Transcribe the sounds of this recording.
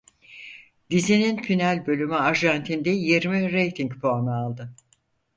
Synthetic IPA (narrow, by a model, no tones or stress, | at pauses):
d̪izininpʰinælʲbø̞lʲymyaɾʒant̪ʰind̪ɛjeɾmiɾe̞jt̪ʰiŋcpʰoanɯalˠd̪ɯ